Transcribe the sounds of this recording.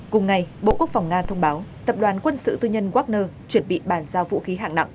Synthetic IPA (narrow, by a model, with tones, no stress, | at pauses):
kʊ˨˩ŋ͡mŋa˨˩jɓo̰˧˨ku˦˥ək̚fa˨˩wŋ͡mŋaː˧t̪ʰə˧wŋ͡mɓaː˨˦wt̪ə˨˩p̚ɗwaː˨˦nkwə˧nsɨ̰˧˨t̪ɨ˧ɲə˧nɣwaː˦˥k̚nəː˧t͡ɕwə˧˩nɓḭ˧˨ɓaː˧˩nzaː˧wvṵ˧˥xi˨˦ɦa̰ː˧˨ŋna̰˧˨wʔ